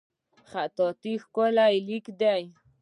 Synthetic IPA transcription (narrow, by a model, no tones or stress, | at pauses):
χat̪ɔt̪ixkolajlikd̪aj